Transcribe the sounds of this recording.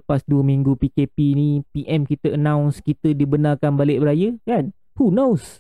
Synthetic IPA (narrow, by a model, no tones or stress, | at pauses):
əpasduəmiŋɡupikepinipiʔɛmkit̪əʔənãw̃nskit̪ədibənarkanbalɪʔbəɾajəɡan | hunows